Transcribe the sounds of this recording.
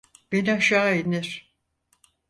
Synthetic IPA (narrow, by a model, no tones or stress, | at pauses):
b̥e̞niaʃaːeniɾ̥